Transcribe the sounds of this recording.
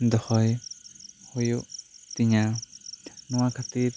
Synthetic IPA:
d̪ɔhɔj | hɔjuʔt̪iɲa | nɔwakʰat̪iɾ

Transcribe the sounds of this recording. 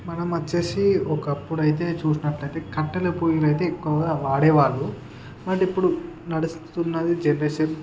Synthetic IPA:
mɐnɐmɐt͡ʃːe̞ːsiɔkɐpːuɽɐjit̪̬e̞ːt͡ʃuːsinɐʈlɐjt̪e̞ːkɐʈːɐlɐpujilɐjit̪e̞ːikːuɡaʋaːɽɛːʋaːɭːu | nɐʈipːuɽunɐɽust̪t̪unːɐd̪id͡ʒenɾɐʃen

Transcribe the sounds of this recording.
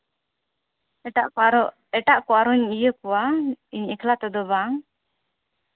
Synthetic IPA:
ɛʈa̰ʔkɔaɾɔ | ɛʈaʔkɔaɾɔɲijəkɔaiɲɛkʰlat̪ɛd̪ɔbaŋ

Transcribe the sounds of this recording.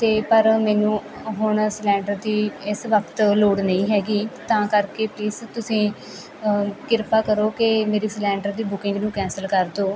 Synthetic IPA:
t̪eːpəɾmɛ̃ːnũː | ɦʊɳslɛ̃ːɳɖəɾd̪iːɪsʋəkʰt̪loːɽnəĩːɦɛːɡiːt̪ãːkəɾkeːpliːzt̪ʊsĩː | kɪɾpaːkəɾoːkemeːɾiːslɛ̃ːɳɖəɾd̪iːbʊkɪ̃ŋɡnũːkɛ̃ːnsəlkəɾd̪oː

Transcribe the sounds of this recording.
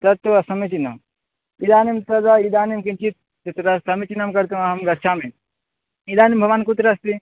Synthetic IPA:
t̪ɐt̪ːoɐsɐmit͡ʃina̰m | id̪aːnimt̪ɐd̪aid̪aːnimkint͡ʃit̪̚ | t̪ɐt̪ɾassɐmit͡ʃinamkɐɾt̪uɦɐmɡɐt͡ʃʰamẽ | id̪aːnimbʱɐʋaːnkut̪ɾast̪i

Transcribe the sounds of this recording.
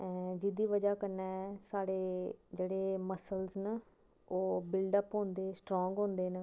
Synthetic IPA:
ɛ̃ːd͡ʒɪd̪iːʋəd͡ʒaːkəɾnɛːɛsaːɽeːd͡ʒeːɽeːməsəlznə | oːbɪlɖəpɦõːnd̪eːsʈɾɔːŋɡɦõːnd̪eːnə

